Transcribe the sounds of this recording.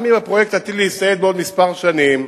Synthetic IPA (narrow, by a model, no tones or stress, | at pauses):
mimapʁojekt̪hat̪iliist̪ajet̪̚beo̞d̪mispaʁʃanim